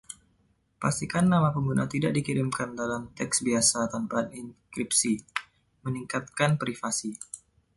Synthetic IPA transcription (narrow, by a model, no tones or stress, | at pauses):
past̪ikanːamapəŋɡuna̰t̪idaʔ̚dikiɾimkandalamt̪ɛksbiasat̪anpat̪inkɾipsi | məniŋkat̪̚kanpɾifasi